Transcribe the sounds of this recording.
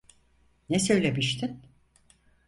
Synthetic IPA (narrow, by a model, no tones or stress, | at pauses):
nɛsø̞jlʲemiʃt̪ʰin